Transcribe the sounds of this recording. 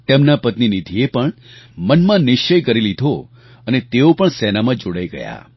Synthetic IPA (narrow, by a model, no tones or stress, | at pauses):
t̪emnapət̪ninid̪ʱiepəɳmənmãnɪʃt͡ʃəjkəɾilid̪ʱo | ənet̪eopəɳsɛnamãd͡ʒoɽajɡə̰ja̰